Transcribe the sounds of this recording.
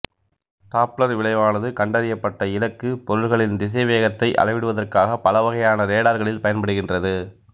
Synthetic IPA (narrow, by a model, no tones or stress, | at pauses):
ʈaːplɐɾʋɪɭɐɪʋaːnɐðɯkɐɳɖɐɾɪjɐpːɐʈːɐɪlɐkːɯpɔɾɯɾɣɐɭɪnd̪ɪs̬ɐɪʋeːɣɐt̪ːɐɪʔɐ̰lɐɪʋɪɽɯʋɐðɐrkaːɣɐpːɐlɐʋɐɣɐjaːnɐɾeːɽaːɾɣɐɭɪlpɐjɐnpɐɽɯɣɪndrɐðɯ